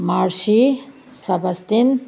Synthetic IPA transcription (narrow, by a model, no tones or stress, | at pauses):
maɾsi | sɐbɐst̪in